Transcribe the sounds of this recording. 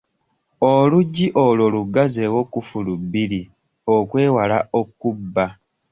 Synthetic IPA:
oluɟːiʔololuɡːazewo̞kːufulubːili | okwe̞ːwalaʔokːubːa

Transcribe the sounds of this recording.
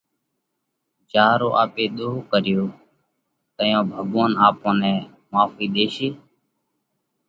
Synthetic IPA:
d͡ʒaːɾoːʔaːpeːɗ̪oːɦkəɾɪjoː | t̪əjõːbʱəɠoːnaːpõːnɛ̃ː | maːfiːɗ̪eːʃeː

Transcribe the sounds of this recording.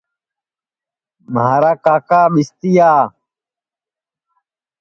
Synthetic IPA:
maːɾaːkaːkaːɓist̪ijaː

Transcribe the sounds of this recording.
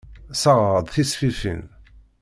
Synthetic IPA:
səʁɾəd̪ˤθisfifḭn

